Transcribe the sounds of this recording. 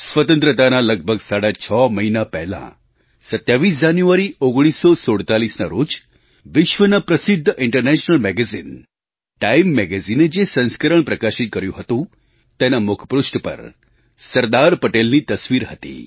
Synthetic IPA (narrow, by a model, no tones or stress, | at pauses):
sʋət̪ə̃nt̪ɾət̪analəɡ̚bʱəɡsaɽat͡ʃʰɔməɦinapɛɦlã̰ | sət̪jaʋis̬d͡ʒanjuaɾioɡɽ̃isːɔsoɽt̪alisnaɾod͡ʒ | ʋɪʃʋənapɾəsɪd̪ʱːʔɪɳʈəɾnɛʃnəlmɛɡɛzin | ʈaimːɛɡɛzined͡ʒesə̃nskəɾəɳpɾəkaʃit̪̚kəɾjũɦət̪ũ | t̪enamʊkʰəpɾusʈpə̰ɾ | səɾd̪aɾpəʈelnit̪əsʋiɾɦət̪ḭ